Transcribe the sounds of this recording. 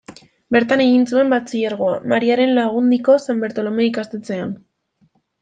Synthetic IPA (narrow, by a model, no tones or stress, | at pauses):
be̞ɾt̪ane̞ɣinsue̞mbat͡siʎaɾɣ̞o̞a̰maɾiaɾe̞nlaɣ̞und̪iko̞sambe̞ɾt̪o̞lo̞me̞ikast̪e̞t͡se̞an